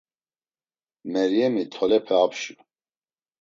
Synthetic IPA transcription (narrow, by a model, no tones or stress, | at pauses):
mɛɾjɛmit̪ʰɔlɛpʰɛapʰʃu